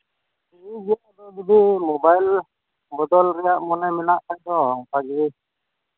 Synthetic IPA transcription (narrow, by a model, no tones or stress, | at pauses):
id͡ʒijaʔd̪ɔɡibimɔbajl | bɔd̪ɔlɾɛjaʔmɔnɛmɛnaʔk̪aɲd̪ɔŋkaɡidi